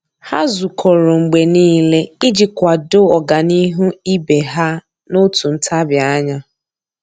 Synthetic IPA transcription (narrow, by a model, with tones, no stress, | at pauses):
ha˦zu˨kʰo˨ɾo˨ŋ͡m̩˨ɡ͡be˨niː˦le˦i˦d͡ʒi˨kʷa˨do˦ɔ˨ɡa˨ni˦ɦu˦i˦be˨ɦa˦ | no˦tu˨n̩˦tʰa˦bja˦ɲa˦